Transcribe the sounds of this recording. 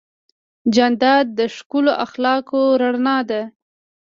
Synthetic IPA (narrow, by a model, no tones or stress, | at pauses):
d͡ʒand̪ɑd̪̚ːəʃkuloʔaxlɑkoɾaɽnɑd̪a